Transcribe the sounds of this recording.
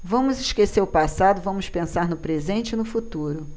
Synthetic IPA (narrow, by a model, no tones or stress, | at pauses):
vɐ̃mʊzɪʃkeseɾʊpasad̪ʊvɐ̃mʊspẽsaɾnʊpɾezẽnt͡ʃɪnʊfut̪uɾʊ